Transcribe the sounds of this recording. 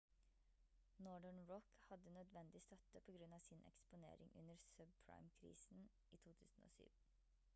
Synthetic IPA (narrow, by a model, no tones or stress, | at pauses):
nɔɖəɳɹɔkhɑd̪ənœd̪ʋɛnd̪ɪst̪œt̪əpʰoːɡɾʉnɑːʋsɪnʔɛ̰kspʊnḛːɾɪ̰ŋʔʉ̰nəɾsœb̚pʰɹa̰ɪmkʰɾḭːsn | ʔiːt̪ʰuːt̪ʰʉ̰ːsn̩o̰ːsy̰ːʋn